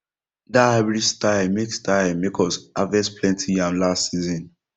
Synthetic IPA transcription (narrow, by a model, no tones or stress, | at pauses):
daaɪbɹistaɪlmekstaɪlmekʰɔsavɛ̃spʰlɛ̃ntʰijãmlastsizɔ̃n